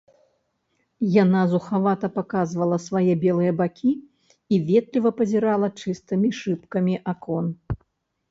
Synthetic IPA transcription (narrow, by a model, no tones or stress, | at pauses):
janazuxavat̪ɐpakazvɐlˠɐsvajɛbʲɛlˠɨjɐbakʲʰi | ivʲɛt̪lʲivɐpɐzʲɛɾalˠɐt͡ʂɨst̪ɨmʲiʂɨpkɐmʲiʔakɔn